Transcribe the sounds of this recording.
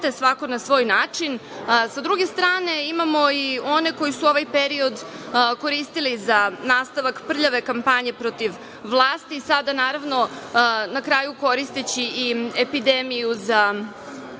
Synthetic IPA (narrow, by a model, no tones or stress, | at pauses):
t̪esʋako̞nasʋo̞ːjnaːt͡ʂinsad̪ɾuɡe̞st̪ɾaːne̞imamo̞io̞ne̞ko̞jisuo̞ʋajpe̞ɾio̞d̪ko̞ɾist̪ilizanaːst̪aʋakpr̩ʎaʋe̞kampaɲe̞pɾo̞t̪iʋ | ʋlˠaːst̪iːsad̪anaːɾaʋno̞nakɾaːjuko̞ɾist̪et͡ɕiiepid̪emijuza